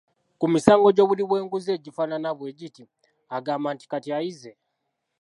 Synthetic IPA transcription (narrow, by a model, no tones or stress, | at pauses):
kumisaːŋɡo̞ɟo̞ːβuliβwe̞ːŋɡuze̞ːɟifananaβwe̞ːɟiti | aɡaːmbaːnti̥katiajize̞